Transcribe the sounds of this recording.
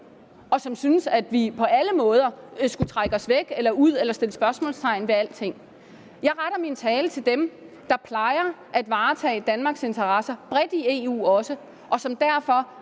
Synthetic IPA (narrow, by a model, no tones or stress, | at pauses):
ʔɒ̽sɒ̽msynəsæd̥ʋipʰɒ̽ʔæləmɔ̽ːð̞ˠɐsɡ̥ut͡sʰʁaɡ̥ɒ̽sʋeɡ̥elɐuð̞̰ˠelɐsd̥e̝ləsb̥ɶɐsmɔ̰̽ːlst͡sʰɑ̈ɪn̩ʋe̝æl̰d̥t͡sʰe̝ŋ̰ | jɑ̈ɪʁɑɾ̥ɐmint͡sʰɛːlət͡sʰe̝ld̥em | d̥ɑ̈pʰlɑ̈ɪɐʔæd̥ʋɑ̈ːt͡sʰɛ̰ːd̥ænmɑ̈ːɡ̥se̝nt͡sʰɐʁɑ̈sɐb̥ʁɛd̥ie̝ːṵːɒ̽sə | ʔɒ̽sɒ̽md̥æɐfɒ̽